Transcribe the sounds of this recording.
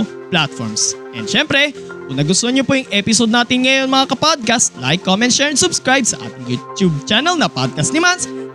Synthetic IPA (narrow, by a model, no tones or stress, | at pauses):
plat̪̚fɔ̰ɹmsʔɛ̰nd̪ʃɛmpɾɛkʊŋnɐɡʊst̪oɲopojʊŋʔɛpɪsod̪naːt̪ɪnŋɐjonmɐŋakɐpad̪̚kɐst̪la̰jkːomɛnt̪ʃɛːɹɛnsʊbskɹajbsɐ̰ʔa̰ːt̪ɪŋjṵːt̪jub̚t͡ʃanɐlnɐpad̪̚kɐst̪nɪmans